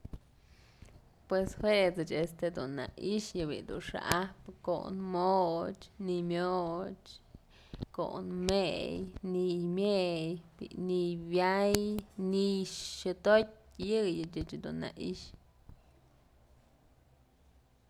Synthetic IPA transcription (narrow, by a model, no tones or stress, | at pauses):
pweshweʔt͡sɨt͡ʃest̪ed̪ṵnːa̰iʃjɨbḭd̪ṵnʂa̰ʔapko̰nmot͡ʃnimjot͡ʃ | ko̰ʔnmejnimjejbḭnibjajniʃʃɨt̪otʲjɨjɨt͡ʃɨt͡ʃd̪ṵnːa̰iʃ